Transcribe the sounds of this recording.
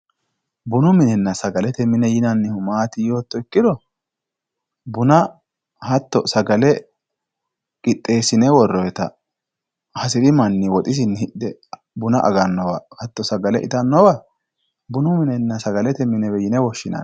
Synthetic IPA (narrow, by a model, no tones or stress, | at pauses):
bʊnʊmɪnɛnːɐsɐɡɐlɛt̪ɛmɪnɛjɪnɐnːɪhʊmaːt̪ɪjoːt̪ːɔɪkːɪd̪ɔ | bʊnɐ | hɐt̪ːɔsɐɡɐlɛ | kʼɪt̪ʼːe̞ːsɪnɛwɔrːɔjt̪ɐ̰ | hɐsɪɾɪmɐnːɪwɔt̪ʼɪs̬ɪnːhɪʔd̪ɛ | bʊnɐʔɐ̰ɡɐnːɔwɐ̰hɐt̪ːɔsɐɡɐlɛʔɪ̰t̪ɐnːɔwɐ | bʊnʊmɪnɛnːɐsɐɡɐlɛt̪ɛmːɪnɛwɛjɪnɛwɔʃːɪnɐ̰